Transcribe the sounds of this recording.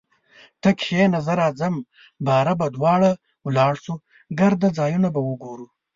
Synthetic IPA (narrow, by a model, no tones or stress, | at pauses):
t̪ɐkenazaɾɑːzam | bɑːɾabad̪wɑːɽa | wlɑːɽsu | ɡɐɾd̪ad͡zɑːjunabawəɡoɾu